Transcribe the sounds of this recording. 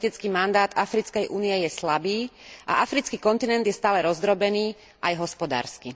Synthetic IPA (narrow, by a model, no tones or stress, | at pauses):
t̪it͡skiːmand̪aːd̪afɾit͡skɛjʔuːniɛjɛslabiːʔa̰ʔafɾit͡skiːkɔnt̪inɛnd̪jɛst̪aːlɛɾɔzd̪ɾɔbɛniː | ʔajɦɔspɔd̪a̰ːɾski